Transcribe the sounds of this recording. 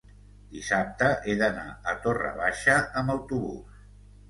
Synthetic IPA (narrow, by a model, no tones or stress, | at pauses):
d̪̥isap̚t̪əʔeðəna̰ət̪orə̰β̞aʃəəmbəwt̪uβṵs